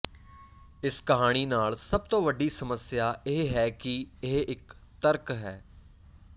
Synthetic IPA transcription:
ɪskəɦaːɽ̃iːnaːlsəb̚t̪õːʋəɖiːsəməsjaːʔeɦɦɛːkɪeɦʔɪkt̪əɾkɦɛː

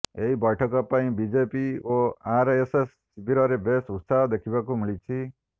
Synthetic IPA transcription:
eɦibɔjʈʰɔkɔpãĩbid͡ʒepioaɾesesːibʱiɾɔɾebesut̪saɦd̪ekʰibakumiɭit͡ʃʰi

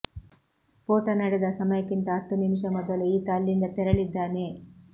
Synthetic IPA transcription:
spoːɾʈɐnɐɽed̪ɐsɐmɐjɐkint̪ɐːt̪ːunimʃɐmɔd̪ɐluiːt̪aːlːind̪ɐt̪ɛɾɐɭid̪ːaːne̞

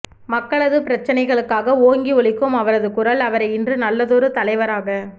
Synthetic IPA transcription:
mɐkːɐɭɐðɯpɪɾɐt͡ʃːɐnɐɪɣɐɭɯkːaːɣɐoːŋɡiɔɭɪkːɯmɐʋɐɾɐðɯkʊɾɐlɐʋɐɾɐɪɪndrɯnɐlːɐðoːɾɯt̪ɐlɐɪʋɐɾaːɣɐ

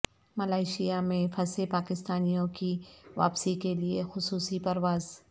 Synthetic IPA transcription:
mɐlaːɪʃijamẽfʰɐsepaːkɪst̪aːnijõkiʋa̰ːpsikeliexʊsuːsipɐɾʋaːz

